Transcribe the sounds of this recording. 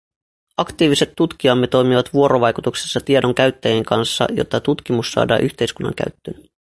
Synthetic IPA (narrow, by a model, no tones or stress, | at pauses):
ɑkt̪iːʋise̞t̪ːut̪k̟iɑmːet̪o̞jmiʋɑt̪ʋuo̞ɾo̞ʋɑjkut̪ukse̥sːɑt̪iedo̞ŋk̟æɥt̪ːæjeŋkɑnsːɑ̰jo̰t̪ːɑt̪ut̪k̟imusːɑ̰ːdɑ̰ːʔyçt̪e̞jskunːɑ̰ŋk̟æ̰ɥt̪ːøn